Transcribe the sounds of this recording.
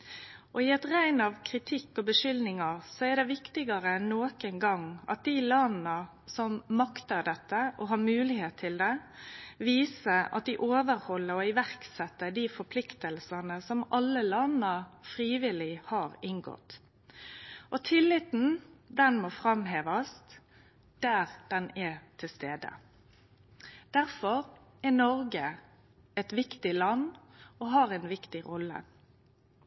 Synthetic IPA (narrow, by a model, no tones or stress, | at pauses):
ʔɔɪɛt̪ʁæɪnɑʋkʰɾɪt̪ʰɪkːɔbəʂʏlnɪŋɑɾsɔɛd̪ɛʋɪkt̪ɪɡɑɾəɛnːoːkənɡɑŋɑ̰t̪̚d̪ilɑnnə | sɔmmɑkt̪əɾɖ̪ɛt̪ːəʔɔɦɑːmʉːlɪheːt̪ʰːɪld̪ɛ | ʋiːsəɑ̰t̪̚d̪ɪʔoːʋəɾhɔlːəɾɔɪʋæʁksɛt̪ːəɖ̪ifɔɾpʰlɪkt̪əlsənəsɔmɑlːəlɑnnəfɾiːʋɪlɪhɑːɾɪŋɡɔ̰t̪ | ʔɔt̪ʰɪlːɪt̪n̩d̪ɛnmoːfɾɑmɦeːʋɑs | d̪̥æɾd̪̥ɛnɛt̪ʰɪlst̪eːd̪ə̰ | d̪̥æʁfɔɾ | ɛnɔɾɡə | ɛt̪ʋɪkt̪ɪlɑnɔɦɑːɾɛɪnʋɪkt̪ɪɾɔlːə̰